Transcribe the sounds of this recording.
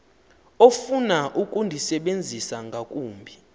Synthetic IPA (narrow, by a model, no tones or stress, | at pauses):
ofunaʔukʼundʱisɛɓend͡zʱisaŋɡʱakʼuːmbʱi